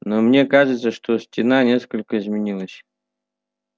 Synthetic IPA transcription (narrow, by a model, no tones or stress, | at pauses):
nomnʲe̞kaʐɨt̪səʂt̪osʲtʲɪnanʲe̞skəlʲkəɪzmʲɪnʲilˠəsʲ